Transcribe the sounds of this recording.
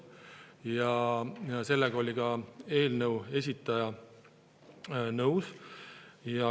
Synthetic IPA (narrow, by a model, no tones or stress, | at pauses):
jɑjɑse̞lːeɡ̥ɑo̞lʲiɡ̥ɑe̞ːlnəuwe̞sʲit̪ːˑɑjɑ | nɤws | jɑ